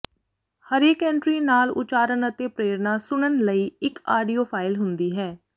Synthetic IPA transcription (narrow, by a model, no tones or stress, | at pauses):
həɾeːkɛ̃ːɳʈɾiːnaːlʊ̰t͡ʃaːɾənət̪eːpɾeːɾnaːsʊɳənləiːɪka̰ːɖiːoːpʰaːɪlɦʊnd̪iːɦɛː